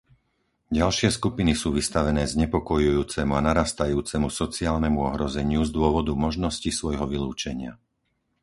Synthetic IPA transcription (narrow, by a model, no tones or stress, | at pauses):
ɟalʃɪɛskupinisuːʋist̪aʋɛnɛːzɲɛpɔkɔjujuːt͡sɛmuanaɾaːst̪ajuːt͡sɛmusɔt͡siaːlnɛmuɔɦɾɔzɛɲɪuzd̪ʊɔʋɔd̪umɔʒnɔscisʋɔjɦɔʋiluːt͡ʃɛɲɪa̰